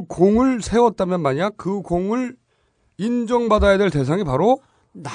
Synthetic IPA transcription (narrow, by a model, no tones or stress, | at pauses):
ɯkoŋɯɭsʰe̞wʌt̚t͈amjʌnmaɲakɯkoŋɯɭ | ind͡ʑʌŋbadajadwe̞ɭte̞sʰaŋipaɾo | na